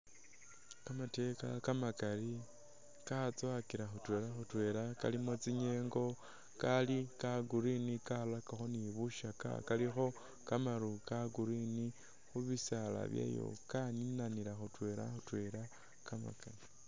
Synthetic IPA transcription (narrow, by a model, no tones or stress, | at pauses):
kamate̞kakamakali | kat͡swakiɾaxutwe̞ːlaxutwe̞ɾaka̰limot͡siɲe̞ŋɡo̞ | kalikaɡuɾinikalakaxo̞niβuʃaka̰kalixo̞ | kamaɾukaɡuɾini | xuβisala̰βja̰jo̞̰kaninanilaxutwe̞la̰xutwe̞ɾa | kama̰kali